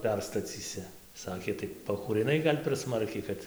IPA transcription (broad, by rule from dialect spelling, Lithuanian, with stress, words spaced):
ˈpʲɛrstɐt͡sʲiːsʲɪ ˈsɑːkʲeː tɐɪ pɐkuːrʲɪˈnɐɪ ˈɡɐlʲ pʲɛr ˈsmɐrʲkʲɛɪ ˈkɐt